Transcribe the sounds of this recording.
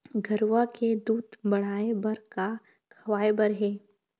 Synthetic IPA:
ɡʱɐɾwaked̪uːd̪bɐɽ̤aːebɐɾka | kʰɐʋaːebəɾɦɛː

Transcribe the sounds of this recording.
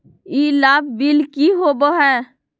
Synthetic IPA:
iːlaːb̚biːlkiːɦoːboːɦɛː

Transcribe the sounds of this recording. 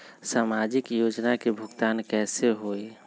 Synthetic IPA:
saːmad͡ʒɪkjoːd͡ʒnakebʱʊɡt̪aːnkɛːseɦoi

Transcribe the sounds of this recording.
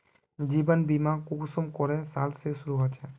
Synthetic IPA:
d͡ʒibənbimakuksomkɔɾesalsesuɾuɦot͡ʃʰɛ

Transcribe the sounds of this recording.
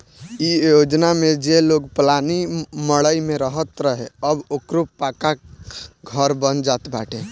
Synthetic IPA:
ijod͡ʒnamed͡ʒeloɡplaniməɭəimeɾəɦət̪ɾəɦeəbokɾuppaka | ɡʱəɾbənd͡ʒat̪baʈʰẽ

